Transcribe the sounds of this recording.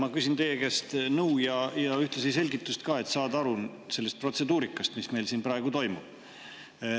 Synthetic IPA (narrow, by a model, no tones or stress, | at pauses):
mɑkysint̪e̞jekest̪nɤujɑjɑyht̪lesijse̞lʲɡit̪ːust̪kɑːe̞t̪ːˑsɑːd̪ɑɾuse̞lːest̪̚pro̞t̪se̞d̪uːɾikːˑɑst̪misme̞jlsiːnprɑe̞ɡ̥ut̪o̞jmub̥